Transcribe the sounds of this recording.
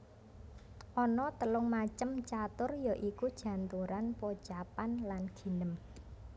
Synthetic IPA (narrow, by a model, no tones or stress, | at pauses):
ʔɔnɔt̪əlʊŋmat͡ʃəmt͡ʃat̪ʊrjɔʔikud̥ʒ̥ä̤nt̪uɾanpo̥ʒ̥apanlanɡ̥i̤nəm